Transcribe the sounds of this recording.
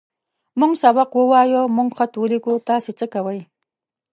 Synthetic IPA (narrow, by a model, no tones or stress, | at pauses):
mʊŋsawɑqwʊwaːjomʊɴχat̪wʊɾɪkʊt̪asɪt͡ʃakawaj